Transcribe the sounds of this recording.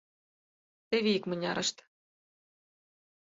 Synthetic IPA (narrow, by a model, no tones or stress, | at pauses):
t̪eβʲiikmɘ̆nʲɑ̰ɾʔɤ̆ʃt̪